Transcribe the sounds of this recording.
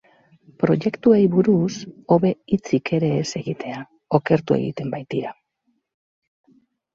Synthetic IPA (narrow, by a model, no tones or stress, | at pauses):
pɾo̞ʝe̞kt̪ue̞jβuɾuso̞βe̞it͡sike̞ɾe̞ːse̞ɣit̪e̞a | o̞ke̞ɾt̪ue̞̰ɣḭt̪e̞mbajt̪iɾa